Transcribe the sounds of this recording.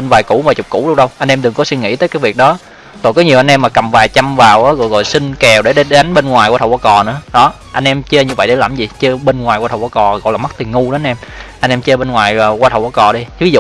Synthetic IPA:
ɓe˧nvaː˨˩jkʊ̰˧˩va˨˩t͡ɕʊ˨˩k͡p̚kṵ˧˥˦ɗlŋ͡m̚ɗə˧wʔa˧j̟ʔɛ˧mt̪ɨ˨˩ŋkɔ˨˦swi˧nŋḭ˧˥t̪əː˨˦jkaː˨˦jvi˨˩ək̚ɗɔ˨˦ | zo˨˩kɔ˨˦ɲi˨˩əwʔa˧n̟ʔɛ˧mːaː˨˩kə˨˩mvaː˨˩jt͡ɕa˧mvaː˨˩wʔaː˨˦ɣɔ̰˧˨jɣɔ̰˧˨jsï˧ŋ̟kɛ˨˩wɗe˧˩ɗe˧˨˦a˨˦ŋɓe˧nŋwaː˨˩jkwaː˧˨˩wa˧kɔ˨˩nɨ̰˧˥əɗɔ˨˦ | ʔa˧jŋ̟ʔɛ˧mt͡ɕə˧ɲɨ˧və̰˧˨jɗe˧˩laː˧˩mzi˨˩t͡ɕə˧ɓe˧nŋwaː˨˩jkwaː˧t̪ʰwa˧kɔ˨˩ɣɔ̰˧˨jlaː˨˩m˦˥k̚t̪i˨˩ŋu˧ɗe˨˦a˧nʔɛ˧mʔa˧jŋ̟ʔɛ˧mt͡ɕə˧ɓe˧nŋwaː˨˩jːkwaː˧t̪ʰə˨˩wkwa˧kɔ˨˩ɗi˧vi˨˦zṵ˧˨

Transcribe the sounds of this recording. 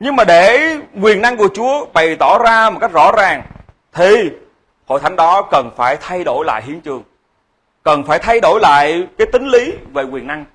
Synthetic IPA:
ɲɨ˧ŋmaː˨˩ɗe˧˩kwi˨˩ənːa˧ŋku˧˩ət͡ɕu˨˦əɓa˨˩jt̪ɔ˧˩zaː˧mo˨˩t̚ka˦˥jk̚zɔ̰˧˥zaː˨˩ŋ | t̪ʰi˨˩ | ho̰˧˨jt̪ʰa˨˦ŋ̟ɗɔ˨˦kə˨˩nfaː˧˩jt̪ʰa˧jɗo˧˩jla̰ː˧˨jhi˨˦ənt͡ɕɨ˨˩əŋ | kə˨˩nfaː˧˩jt̪ʰa˧jɗo˧˩jla̰ː˧˨jkaː˨˦jt̪ï˨˦ŋ̟li˨˦ve˨˩kwi˨˩əna˧ŋ

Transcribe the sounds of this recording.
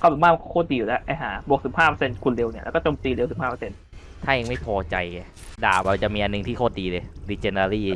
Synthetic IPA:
kʰːɛ˨˩˦maː˥˩m˧kʰːkʰoː˥˩t̪̚diː˧ju˨˩lɛ˦˥a˧˩ɦaː˩˦bu˨˩k̚sɯ˨˩˦phaː˥˩pə˧se˧nkʰu˧nle˧wni˥˩˨ʔkːɔː˥˩t͡ɕoː˧mt̪iː˧le˧si˨˩˦phaː˥˩pːə˧se˧n | t̪ʰaː˥˩ʔeː˧ŋma˥˩jpʰɔː˧t͡ɕa˧ja˧˩ | da̰ː˨˩wa˧˩t͡ɕa˨˩ʔmiː˧ʔa˧nːɯ˨˩ŋt̪ʰiː˥˩kʰoː˥˩t̪̚diː˧lɤː˧jdiː˧˩t͡ɕeː˧naː˧ɾiː˥˩

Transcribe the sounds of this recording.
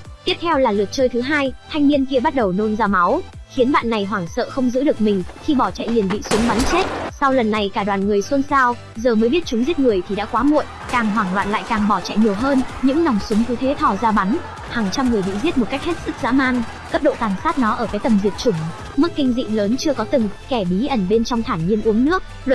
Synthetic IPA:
t̪i˦˥əp̚t̪ʰɛ˧wlaː˨˩lɨ˨˩ət̚t͡ɕəː˧jt̪ʰɨ˨˦ɦaː˧jt̪ʰa˧jŋmi˧ənki˧əɓa˦˥t̚ɗə˨˩wno˧nzaː˧ma˨˦w | xi˨˦ənɓa̰ː˧˨nːa˨˩jɦwaː˧˩ŋsə̰ː˧˨xə˧wŋ͡mzɨ̰˧˥ɗɨ˨˩ək̚mï˨˩ŋ̟xi˧ɓɔ˧˩t͡ɕa̰˧˨jhi˨˩ənɓḭ˧˨sʊ˨˦ŋ͡mɓa˨˦nt͡ɕe˦˥t̚sa˧wlə˨˩nːa˨˩jkaː˧˩ɗwaː˨˩nŋɨ˨˩əjswə˧nsaː˧w | zəː˨˩məː˨˦jɓi˦˥ət̚t͡ɕʊ˨˦ŋ͡mzi˦˥ət̚ŋɨ˨˩əjt̪ʰi˨˩ɗa̰ː˧˥kwaː˨˦ŋo̰˧˨j | kaː˨˩ŋɦwaː˨˧˩ŋlwa̰ː˧˨nla̰ː˧˨jkaː˨˩ŋɓɔ˧˩t͡ɕa̰˧˨jɲi˨˩əwɦəː˧nɲɨ̰˧˥ŋnɔ˨˩wŋ͡msʊ˨˦ŋ͡mku˨˦t̪ʰe˨˦t̪ʰɔ˧˩zaː˧ɓa˨˦n | haː˨˩ŋt͡ɕa˧mŋɨ˨˩əjɓḭ˧˨zi˦˥ət̚mo˨˩t̚ka˦˥jk̚he˦˥t̚sɨ˦˥k̚za̰ː˧˥maː˧ŋ | kə˦˥p̚ɗo̰˧˨kaː˨˩nsaː˦˥t̚nɔ˨˦ʔəː˧˩kaː˨˦jt̪ə˨˩mzi˨˩t̚t͡ɕʊ˧˩ŋ͡m | mɨ˦˥tk̚kï˧ŋ̟zḭ˧˨ləː˨˦nt͡ɕɨ˧əkɔ˨˦t̪ɨ˨˩ŋkɛ˧˩ɓi˨˦ʔə˧˩nɓe˧nt͡ɕɔ˧wŋ͡mt̪ʰaː˧˩ɲi˧ənʔu˨˦əŋnɨ̰˧˥ək̚ | lə˧˨

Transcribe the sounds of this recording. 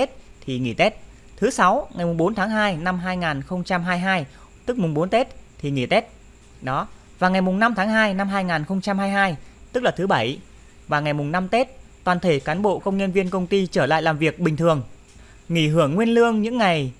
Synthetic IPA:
e˦˥t̚t̪ʰi˨˩ŋi˧˩t̪e˦˥t̚ | t̪ʰɨ˨˦sa˨˦wŋa˨˩jmʊ˨˩ŋ͡mɓo˨˦nt̪ʰaː˨˦ŋɦaː˧jna˧mɦaː˧jŋaː˨˩nxə˧wŋ͡mt͡ɕa˧mɦaː˧jɦaː˧j | t̪ɨ˦˥k̚mʊ˨˩ŋ͡mɓo˨˦nt̪e˦˥t̚t̪ʰi˨˩ŋḭ˧˩t̪e˦˥t̚ | ɗɔ˨˦ | vaː˨˩ŋa˨˩jmʊ˨˩ŋ͡mna˧mt̪ʰaː˨˦ŋɦaː˧jna˧mɦaː˧jŋaː˨˩nxə˧wŋ͡mt͡ɕa˧mhaː˧jɦaː˧jt̪ɨ˦˥k̚laː˨˩t̪ʰɨ˨˦ɓə˧˩j | vaː˨˩ŋa˨˩jmʊ˨˩ŋ͡mna˧mt̪e˦˥t̚t̪waː˨˩nt̪ʰe˧˩kaː˨˦nɓo̰˧˨kə˧wŋ͡mɲə˧nvi˧ənkə˧wŋ͡mt̪i˧t͡ɕəː˧˩la̰ː˧˨jlaː˨˩mvi˨˩ək̚ɓï˨˩ŋt̪ʰɨ˨˩əŋ | ŋi˧˩ɦɨ˧˩əŋːwi˧ənlɨ˧əŋɲɨ̰˧˥ŋːa˨˩j

